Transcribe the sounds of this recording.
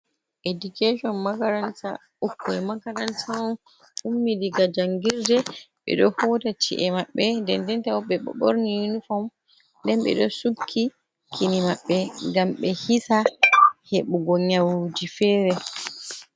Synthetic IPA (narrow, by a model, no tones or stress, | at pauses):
ʔedukeʃɔnmakaɾanta̰ | ukːɔɛmakaɾantan | umːidiɡad͡ʒaŋɡiɾdɛɓɛ̰ɗɔhɔtat͡ʃḭʔɛmaɓːɛndɛndɛntawɔɓɛɓɔ̰ɓɔ̰ɾnijunufɔm | ndɛnɓɛ̰ɗɔsukʰːi | kʰinimaɓːɛɡamɓɛhisaheɓuɡɔɲawd͡ʒifɛːɾɛ